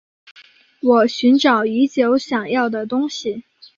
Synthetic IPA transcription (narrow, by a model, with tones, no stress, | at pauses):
wɔ˨˩ɕy˧˥nʈ͡ʂɑ˨˩ʊy˧˥t͡ɕjo˧˥ʊɕjɑ˨˩ŋjɑ˥˩ʊd̪ə˩t̪ʊ˥ŋɕi˨˩